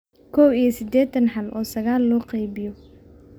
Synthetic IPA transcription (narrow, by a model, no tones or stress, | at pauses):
kʰɔːwijɐsɪd̪ɛːt̪ʰɐnħɐlʔɔːsɐɣaːlːɔːqɛjbɪjɔ